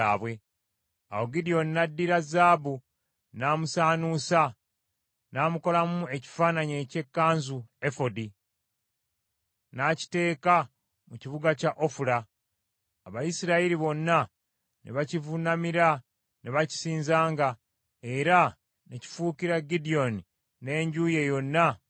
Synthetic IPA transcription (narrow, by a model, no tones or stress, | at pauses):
aːβwe̞ | a̰wo̞ɡidijo̞nːadːiɾazaːbu | naːmusaːnuːsa | naːmuko̞lamue̞ci̥faːnaɲe̞ce̞kːaːnzue̞fo̞di | naci̥te̞ːka | muciβuɡacaʔo̞fuɾaː | βajisiɾaiɾiβo̞nːa | nḛβacivunamiɾa | neβaci̥siːnzaːŋɡa | e̞ɾa | neci̥fuːkiɾaɡidio̞ni | ne̞ːɲɟuːje̞jo̞nːa